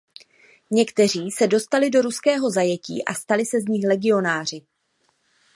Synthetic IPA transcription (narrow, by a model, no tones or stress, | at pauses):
ɲɛkt̪ɛr̝iːsɛdo̞st̪alɪdo̞ɾuskɛːɦo̞zajɛcḭːʔast̪alɪsɛzɲɪxlɛɡɪo̞naːr̝ɪ